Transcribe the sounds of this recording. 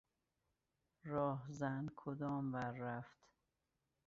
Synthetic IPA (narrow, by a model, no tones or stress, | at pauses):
ɾɒːɦzænkʰod̪ɒːmvæɾːæft̪